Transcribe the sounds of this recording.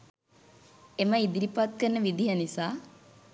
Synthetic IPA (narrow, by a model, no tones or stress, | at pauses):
eməid̪iɾipat̪̚kərnːəʋid̪iɦanisaː